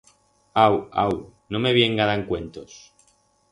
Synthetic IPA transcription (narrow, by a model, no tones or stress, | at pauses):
awa̰wnõmeβjeŋɡaðaeŋkwent̪os